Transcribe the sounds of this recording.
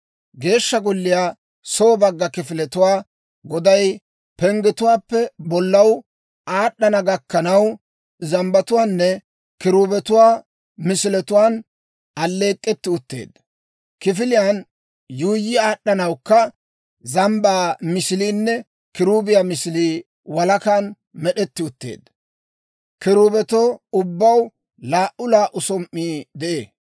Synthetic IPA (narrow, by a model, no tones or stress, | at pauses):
ɡe̞ːʃːɐɡɔlːɪjaː | soːbɐɡːɐkɪfɪlɛt̪ʊwaː | ɡɔd̪ɐj | pɛŋɡɛt̪ʊwaːpːɛbɔlːɐw | aːɗːɐnɐɡɐkːɐnɐw | zɐmbɐt̪ʊwaːnːɛ | kɪɾuːbɛt̪ʊwaː | mɪsɪlɛt̪ʊwaːn | ɐlːe̞ːkʼːɛt̪ːɪʊt̪ːḛːd̪ːɐ | kɪfɪlɪjan | juːjːɪaːɗɐnɐwkːɐ | zɐmbaːmɪsɪliːnːɛ | kɪɾuːbɪjamɪsɪliː | wɐlɐkan | mɛɗɛt̪ːɪʊt̪ːḛːd̪ | kɪɾuːbɛt̪ɔʊbːɐw | laːʔʊlaːʔʊsɔmʔːiːd̪ɛʔḛː